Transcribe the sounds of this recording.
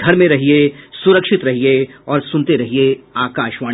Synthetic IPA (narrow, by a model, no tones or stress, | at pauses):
ɡʱɐɾmẽɾɐɦiesʊɾəkʃɪt̪ɾɐɦieɔːɾsʊnt̪eɾɐɦieaːkaːʃʋaː